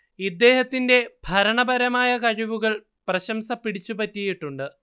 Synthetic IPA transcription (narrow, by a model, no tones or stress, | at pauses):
id̪ːe̞ːhɐt̪ːinde̞bʱɐɾɐɳɐbɐɾɐmaːjɐkɐɻiʋuɣɐɭ | prɐɕɐmsɐpːiɽit͡ɕːupɐtːijiʈːuɳɖɨ